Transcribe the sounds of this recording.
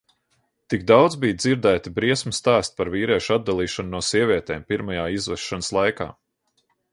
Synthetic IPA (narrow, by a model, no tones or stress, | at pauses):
t̪iɡd̪awd̪zbijd̪ziɾd̪æːt̪ibɾiɛsmust̪æːst̪̚ʲpaɾviːɾiɛʃad̪̚d̪alˠiːʃannuɔsiɛvʲiɛt̪eːmpiɾmajaːizvɛʃːanəslˠajka̰ː